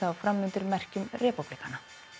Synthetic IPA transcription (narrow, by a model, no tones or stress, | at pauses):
awfɾamːʏnt̪ʏɾmɛr̥cʏmrɛːpuplikana